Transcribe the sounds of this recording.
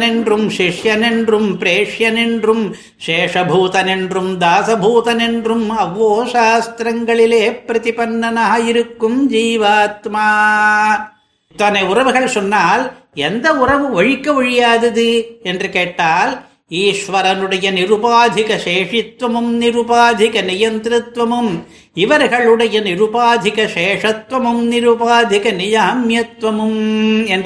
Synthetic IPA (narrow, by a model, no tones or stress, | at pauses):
neɳɖrumʃiʂjɐneɳɖrumpɾeːʂjɐneɳɖɾum | ʃeːʂɐbʱuːt̪ɐneɳɖrumd̪aːsɐbʱuːt̪ɐneɳɖɾumɐʋːoːʃaːst̪ɾɐŋɡɐɭileːpɾɐt̪ipɐnːɐnɐɦɐiɾukːumd͡ʒiːʋaːt̪maː | t̪aːneuɾɐʋuɡɐɭsunːaːl | ɛnd̪ɐʊrɐʋɯʋɐɻikːɐʋʊɻɪjaːðɐðɯɛndrɯkeːʈːaːl | iːʂʋɐɾɐnɯɽɐjɐnɪɾubaːd̪ʱɪkɐʃeːʂɪt̪ʋɐmɯmnɪɾubaːd̪ʱɪkɐnɪjɐnt̪ɾɪt̪ʋɐmɯm | iʋɐɾɣɐɭɯɽɐjɐnɪɾubaːd̪ʱɪkɐʃeːʂɐt̪ʋɐmɯmnɪɾubaːd̪ʱɪkɐnɪjɐɐmjɐt̪ʋɐmɯmɛnd